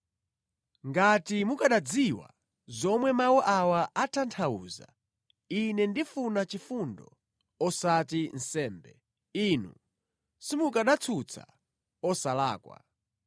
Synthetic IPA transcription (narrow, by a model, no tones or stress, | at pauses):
ŋɡatimukaɗad͡ziwa̰ | zɔmwɛmawɔʔawaʔatʰantʰauːza̰ | inɛndifunat͡ʃifundɔ | ɔsatin̩sɛːmbɛ | inṵ | simukaɗat͡sʰut͡sʰa̰ | ɔsala̰ːkwa̰